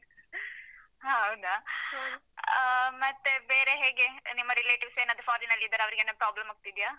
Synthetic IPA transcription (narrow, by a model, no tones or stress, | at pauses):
ɦɐwd̪a | mɐt̪ːebeːɾe̞ɦeːɡe̞nimːɐɾileːʈiʋseːnɐd̪ufaːɾinɐlːid̪ɐɾeɐʋɐɾiɡenɐpɾaːblɐmɐɡ̚t̪id̪ijaː